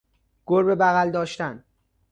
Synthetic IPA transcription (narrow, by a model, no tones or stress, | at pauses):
ɡ̥oɾbebæɣæld̪ɒːʃt̪æn